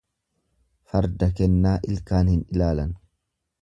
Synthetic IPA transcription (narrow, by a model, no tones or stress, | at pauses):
fɐɾd̪ɐkɛnːaːʔɪlkaːnhɪnɪlaːlɐn